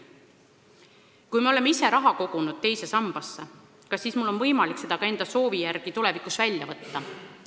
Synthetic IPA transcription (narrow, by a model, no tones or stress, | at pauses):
kujmeo̞lemːeise̞ɾɑɦɑko̞ɡ̥unud̪̥̚t̪e̞jse̞sɑmb̥ɑsːe | kɑsːiːsmulːo̞nvɤjmɑlikse̞d̪̥ɑkɑe̞nd̪̥ɑso̞ːvijærɡ̥it̪ule̞vikˑusvælʲjɑvɤt̪ːɑ